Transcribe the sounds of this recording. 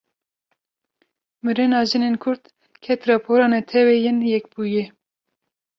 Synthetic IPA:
mɨɾɨnɑːʒɨnenkʰʊɾt̪ | kʰɛt̪ɾɑpʰoɾɑːnɛt̪ʰɛwɛjɪnjɛkbuːjɛ

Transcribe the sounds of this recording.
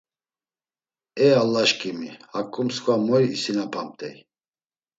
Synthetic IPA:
ɛalːaʃkʼimihakʼumskʰvamɔiːsinapʰamt̪ʼɛ̰j

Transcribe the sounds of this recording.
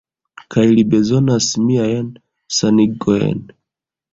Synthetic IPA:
kʰajlibe̞zo̞nasmiajn | saniɡojḛn

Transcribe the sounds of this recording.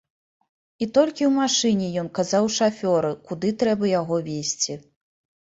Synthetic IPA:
it̪ɔlʲkʲiwmaʂɨnʲɛjɔnkazawʂafʲɔɾɨkud̪ɨt̪ɾɛbɐjaɣɔvʲesʲt͡sʲi

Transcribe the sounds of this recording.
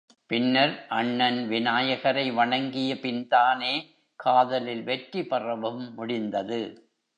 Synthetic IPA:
pɪnːɐɾʔɐɳːɐnʋɪnaːjɐɣɐɾɐɪʋɐɳɐŋɡɪjɐpɪnd̪aːneː | kʰaːðɐlɪlʋɛʈɾipɐrɐʋɯmːʊɽɪnd̪ɐðɯ

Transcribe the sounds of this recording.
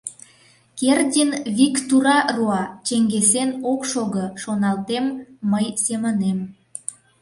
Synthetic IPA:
kerd̪ʲinβikt̪uɾɑruɑt͡ɕeŋɡesenokʃoɣəʃonɑlt̪emːəjsemənem

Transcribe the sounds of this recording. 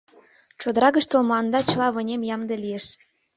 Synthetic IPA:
t͡ɕod̪əɾɑɣə̆ʃt̪olmlɑnd̪ɑt͡ɕɤ̆lɑβɤ̆nʲemjɑmd̪elijeʃ

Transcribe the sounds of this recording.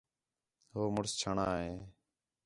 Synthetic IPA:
ɦoːmʊɽst͡ʃʰəɳaːɦeː

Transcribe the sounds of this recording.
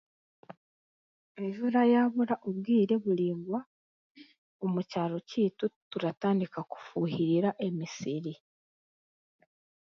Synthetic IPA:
eʒuɾajaːβuɾaʔoβɡiːɾe̞βuliːŋɡwa | omucaːlo̞ciːtutuɾataːndikaku̥fuːɦiɾiɾaʔe̞misiɾi

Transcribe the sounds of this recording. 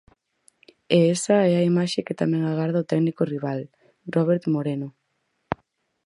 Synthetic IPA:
eɛsɐɛɐimaʃekɪt̪amɛ̃ŋaɣaɾðɐot̪ɛknikoriβ̞al | rɔβeɾt̪moɾeno

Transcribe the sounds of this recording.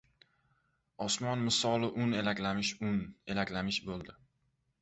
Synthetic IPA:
ɒsmɒnmɪsɒlˠɪʔʊnelakʲlamɪʃʊnelakʲlamɪʃbolˠd̪ɪ

